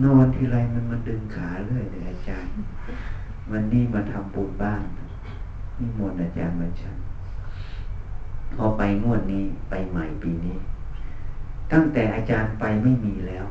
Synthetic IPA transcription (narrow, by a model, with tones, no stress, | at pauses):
nɔː˧˩˨nt̪ʰiː˧˩ɾa˧jma˧˥˨nma˧˥˨ndɯ˧ŋkʰaː˨˦˧lɯ˦˧˥əjta˧˩ʔaː˧t͡ɕaː˧n | ma˧nːiː˧˥˩ma˧˥nt̪ʰa˧mpu˧n̚baː˧˩ŋ˧ | miː˧˥˨mu˧˩ən̚ʔaː˧t͡ɕa̰ː˨˧nba˧˩nt͡ɕʰa˧˥n | kʰɔ˧˩pa˨˧jŋu˧˩ən̚niː˧˩˨pa˧jma˨˩˦jpiː˨˧niː˧˥˨ | t̪a˧˥˩ŋt̪ɛː˨˩ʔaː˧t͡ɕaː˧npa˧jma˥˩jmiː˧lɛː˦˧˥w